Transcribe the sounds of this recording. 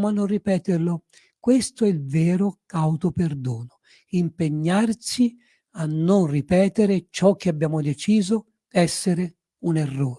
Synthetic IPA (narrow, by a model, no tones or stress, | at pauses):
mʊanːonripɛːt̪ɪrlʊ | kwest̪oɛilvɛːɾʊkawt̪operd̪ɔːnʊ | impeɲːarsi | anːʊnripɛːt̪ɪɾɪt͡ʃɔk̟ːɪabːjaːmʊd̪et͡ʃiːzo | d̪̥ɛsːeɾe | unerːoːɾ